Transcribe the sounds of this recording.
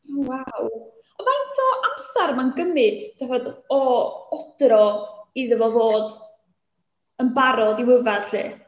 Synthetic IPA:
owaw | ɔvantʰɔʔamsarmanɡəmɨd̥d̥avɔdɔɔd̥rɔiðəvɔvoːd | ənbaɾɔdiwəvad̥ɬɨ̰ː

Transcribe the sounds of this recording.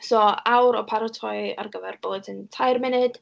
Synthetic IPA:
sɔːawɾɔpʰaɾɔtʰɔja̰rɡəvɛrbodəntʰajrmɪnɨd̥

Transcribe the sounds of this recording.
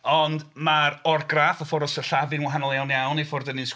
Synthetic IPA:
ɔndmaɾɔrɡrafɔfɔɾɔsəɬavɨnwaɦanɔlˠjawnjawnifʊrdənɨnsk

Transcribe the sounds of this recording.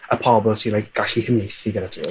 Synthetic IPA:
əpʰɔbɔlˠsinlajk̚ɡ̥aɬihənejθiɡədadʰuː

